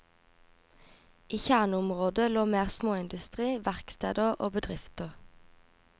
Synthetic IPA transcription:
ʔiːçæʁnʊmʁoːd̪əloːmeːʁsmoːɪnd̪ʉst̪ʁiːʋæʁkst̪eːd̪əʁʔo̰ːbəd̪ʁɪft̪əʁ

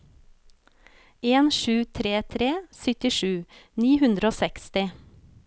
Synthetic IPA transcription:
eːnʃʉːt̪ʰɾeːt̪ʰɾeːsʏt̪ɪʃʉːniːhʉnd̪ɾəoːsɛkst̪ɪ

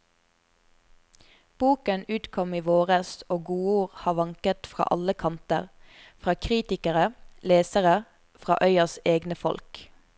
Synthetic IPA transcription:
b̥uːkənʉːt̪kʰɔmiːʋoːʁəsoːɡuːuːʁhɑːʋɑŋkət̪fʁɑ̰ːʔɑləkʰɑnt̪əʁ | fʁɑːkʰʁiːt̪ɪkəʁəleːsəʁə | fʁɑ̰ːʔœʏəseːɡnəfɔ̰lk

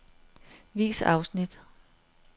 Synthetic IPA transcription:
ʋḭːsɑ̈ʊsnid̥

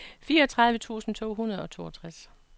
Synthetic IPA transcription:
fiːɐɒt͡sʰʁɑ̈ðˠʋət͡sʰṵːsn̩t͡sʰo̝̰ːɦunɐð̞̩ˠɒ̽t͡sʰo̝̰ːɒt͡sʰʁas

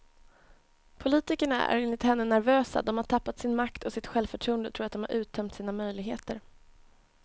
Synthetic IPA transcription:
pʰʊliːt̪ɪkəɳa̰ʔæ̰ɾɪnːɪt̪hɛnːənæɾvøːsa̰d̪ɔmhaʈʰapːat̪sɪnmakt̪ʰɔsɪt̪ɧɛlvfœʈʰɾuːənd̪ət̪ʰɾuːɾat̪̚d̪ɔmha̰ɾʔʉ̟ːt̪ʰːœmt̪siːnamœjlɪɡɦḛːt̪əɾ

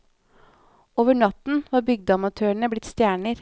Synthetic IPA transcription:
oːʋəɳɑt̪n̩ʋɑːɾbʏɡ̚d̪əɑmɑt̪ʰøːəɳəblɪt̪st̪jæːɳəɾ

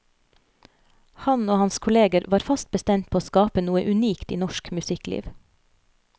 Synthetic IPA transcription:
hɑnoːhɑnskʰʊleːɡəɾʋɑːɾfɑst̪̚bəst̪ɛmt̪̚pʰoːoːskɑːpənuːəʔʉniːkt̪ḭːnɔʃkmʉsɪklḭːʋ

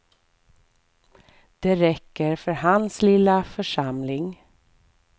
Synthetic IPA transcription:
d̪̥ɛɾɛkːəɾfœɾhanslɪlːafœʂamlɪŋ

